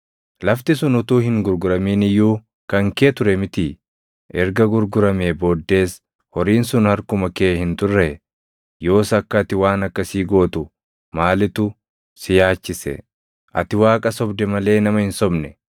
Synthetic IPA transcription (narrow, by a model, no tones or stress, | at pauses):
lɐft̪ɪs̬ʊnʊt̪uːhɪŋɡʊɾɡʊɾɐmiːnɪjːuː | kɐŋkeːt̪ʊɾɛmɪt̪i | ʔɛɾɡɐɡʊɾɡʊɾɐmeboːd̪ːe̞ːs | hɔɾiːnsʊnhɐɾkʊmɐkeːhɪnt̪ʊrːɛ | jo̞ːsɐkːɐːt̪ɪwaːnɐkːɐsiːɡo̞ːt̪ʊ | maːlɪt̪ʊ | sɪjaːt͡ʃːɪsɛ̰ | ʔɐ̰t̪ɪwaːkʼɐsɔbd̪ɛmɐle̞ːnɐmɐhɪnsɔbnɛ